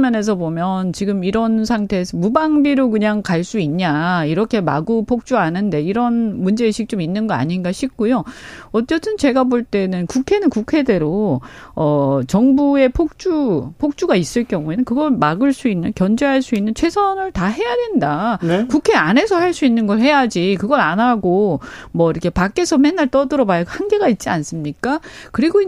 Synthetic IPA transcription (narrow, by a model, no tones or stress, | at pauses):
mjʌne̞s̬ʰʌbomjʌnt͡ɕiɡɯmiɾʌnsʰaŋtʰe̞ːsʰʌmubaŋbiɾokɯɲaŋkaɭs͈uiɲɲaiɾʌkʰe̞ma̰ɡupʰok̚t͡ɕ͈uanɯnde̞iɾʌnmund͡ʑe̞ːɕʰik̚t͡ɕ͈ominːɯnɡʌa̰ɲinɡaɕʰip̚k͈ujoʌt͡ɕ͈ʌt͈ʰɯnt͡ɕe̞ɡaboɭt͈e̞nɯnkukʰe̞nɯnkukʰe̞de̞ɾoʌt͡ɕʌŋbue̞pʰok̚t͡ɕ͈upʰok̚t͡ɕ͈uɡais͈ɯɭk͈jʌŋue̞nɯnkɯɡʌɭmaɡɯɭs͈uinːɯnkjʌnd͡ʑeɦaɭs͈uinːɯnt͡ɕʰwe̞sʰʌnɯɭtaɦe̞jadwe̞ndankukʰe̞ane̞sʰʌhaɭs͈uinːɯnɡʌɭhe̞jad͡ʑikɯɡʌɾanaɡomwʌiɾʌkʰe̞pak͈e̞sʰʌmenːaɭt͈ʌdɯɾʌbajahanɡe̞ɡait̚t͡ɕ͈ians͈ɯmɲik͈akɯɾiɡoi